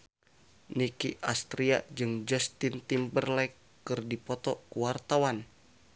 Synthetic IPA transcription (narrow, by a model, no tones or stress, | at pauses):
nikiʔast̪ɾia̰d͡ʒɨŋd͡ʒɛst̪int̪imbərlaikː | ɨrdipɔt̪ɔkuwart̪awan